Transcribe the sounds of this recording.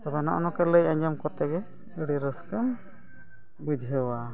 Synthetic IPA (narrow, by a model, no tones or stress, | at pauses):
t̪ɔbɛnɔ̰ʔɔnɔkɛləjaɲd͡ʒɔmkɔt̪ɛɡɛ | əɽiɾəskəm | bud͡ʒʱəwa